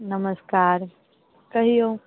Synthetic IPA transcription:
nəməskaːɾ | kɐɦijo

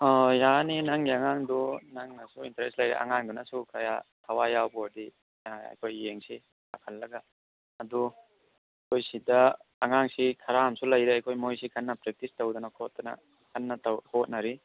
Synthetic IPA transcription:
ɔjaninaŋiaŋaŋdunaŋnɐsuintɐɾestlɐjɾa̰ʔa̰ŋaŋdunɐsukʰɐjatʰawajawboɾdi | ɐ̰jkʰojːeŋsi | a̰kʰɐlːɐɡɐː | du | ɐjkʰojsidɐːŋaŋsikʰɐɾaamsulɐjɾiɐjkʰojmojsikʰɐnːɐpɾek̚tistowd̪ɔnɐkʰot̚d̪ɐnɐ̰ | kʰɐnːɐtɐwkʰot̚nɐɾi

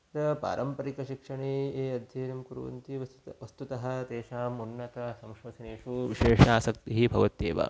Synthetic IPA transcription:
t̪ɐpa̰ːɾʔɐmpɐɾikɐʃikʂɐɳeːeːɐd̪ʱjɐːɾɐmkuɾṵʋɐ̰nt̪iʋɐst̪ut̪ɐɦɐ̆t̪eːʃaːmunːɐt̪ɐsɐ̃mʃʋɐsɐneːʂuʋiʃeːʂaːsɐk̚t̪iɦibʱɐʋɐt̪ḛːʋɐ̰

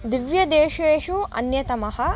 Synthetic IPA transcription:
d̪iʋjɐd̪eːʃeːʃuɐ̰njɐt̪ɐmɐhɐ̆

